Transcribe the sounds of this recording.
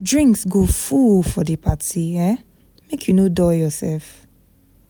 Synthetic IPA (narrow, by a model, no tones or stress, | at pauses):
dɹĩŋksɡofulfɔdəpʰatiɛ | mekʰjunodɔjɔsɛlf